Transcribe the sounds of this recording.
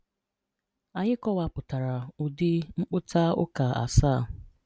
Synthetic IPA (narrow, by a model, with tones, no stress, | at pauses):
a˨ɲɪ˦kɔ˦wa˦pʊ˨ta˨ɾa˨ʊ˨dɪ˦ŋ͡m̩˦k͡pʊ˦ta˦ʊ̰˦ka˨a̰˨saː˦˨